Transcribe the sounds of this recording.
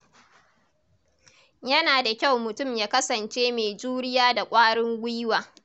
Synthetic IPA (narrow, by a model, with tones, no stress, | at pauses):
jɐ˦naː˨da˨kʲa˦˨wmʊ˨tʊ˦˨mjaː˦kɐ˦sɐ˨nt͡ʃeː˦meː˨d͡ʒuː˦ɽɪ˦jaː˦da˨kʷʼaː˦ɽɪ˦ŋɡʷi˦waː˨